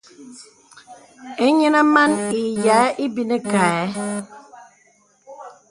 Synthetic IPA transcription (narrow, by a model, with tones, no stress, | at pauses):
e˦ɲe˦na˦ma˦ne˨ja˨˦ʔi˦bi˦ne˦ka˨e˨˦